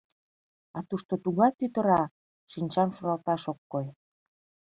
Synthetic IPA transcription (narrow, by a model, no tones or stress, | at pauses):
ɑt̪uʃt̪ot̪uɣɑt̪yt̪ə̆ɾɑ | ʃinʲt͡ɕɑmʃuɾɑlt̪ɑʃokːoj